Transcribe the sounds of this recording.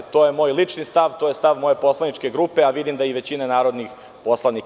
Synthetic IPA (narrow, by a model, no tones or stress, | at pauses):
t̪oːjemo̞ːjlit͡ʂnist̪aʋt̪ojest̪aʋmo̞je̞po̞slˠanit͡ʂkeɡɾupeaʋid̪imd̪aiʋe̞t͡ɕinanaːɾo̞d̪nix | po̞slˠani